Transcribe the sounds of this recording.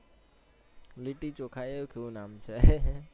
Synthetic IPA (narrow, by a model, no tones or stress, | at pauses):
liʈit͡ʃokʰajekeʋũnaːmt͡ʃʰe